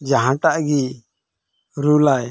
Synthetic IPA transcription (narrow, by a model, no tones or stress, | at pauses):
d͡ʒaɦãʈaʔɡi | ɾulaj